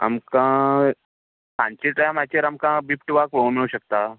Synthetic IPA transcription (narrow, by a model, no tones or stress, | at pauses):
a̰mkã | tãɲt͡ɕeʈajmat͡ɕeɾamkãbipʈʋakʋə̃miɭuɕək̚t̪a